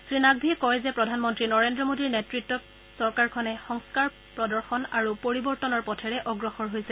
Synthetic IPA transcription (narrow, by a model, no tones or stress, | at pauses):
sɹinaɡ̚bʱiɛkɔjzɛpɹɔdʱanmɔntɹinɔɹendɹɔmodiɹnetɹitːɔt̚ | sɔɹkaɹkʰɔnɛxɔŋskaɹ | pɹɔdɔɹxɔnaɹupoɹibɔɹtɔnɔɹpɔtʰɛɹɛʔɔɡɹɔxɔɹɦojsɛ